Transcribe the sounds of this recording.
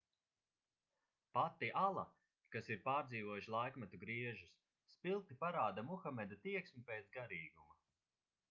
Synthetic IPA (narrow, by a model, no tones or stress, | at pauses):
pat̪ːiʔalˠa̰ | kasiɾpaːɾd̪ziːvɔjuʃlˠajkmat̪uɡɾiɛʒusː | pilˠt̪ipaɾaːd̪amuxamɛd̪at̪iɛksmupeːt̪sɡaɾiːɡuma